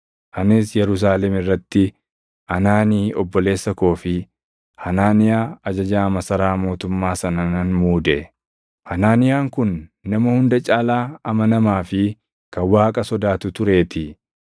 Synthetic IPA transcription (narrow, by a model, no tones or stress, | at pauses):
ʔɐnɪsjɛɾʊs̬aːlɛmɪrːɐt̪ːɪ | ʔɐnaːniːɔbːɔle̞ːsːɐko̞ːfɪ | hɐnaːnɪjaːɐd͡ʒɐd͡ʒaːmɐsɐɾaːmo̞ːt̪ʊmːaːsɐnɐnɐnmuːd̪ɛ | hɐnaːnɪjaːŋkʊnːɐmɐhʊnd̪ɐt͡ʃʼaːlaːɐmɐnɐmaːfɪ | kɐnwaːkʼɐsɔd̪aːt̪ʊt̪ʊɾe̞ːt̪ɪ